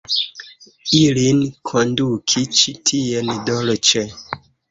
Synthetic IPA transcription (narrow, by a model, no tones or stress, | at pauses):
ilinkʰɔndukʰit͡ʃitʰijɛnidɔlɔt͡ʃɛ